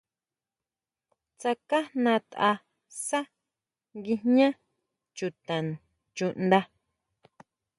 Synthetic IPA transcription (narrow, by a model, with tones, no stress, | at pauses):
t͡sa˧ka˦nã˧t̪a˧ | sa˦ | ŋɡi˧hɲã˦ | t͡ʃu˨t̪ã˨n | t͡ʃu˧ʔnd̪a˧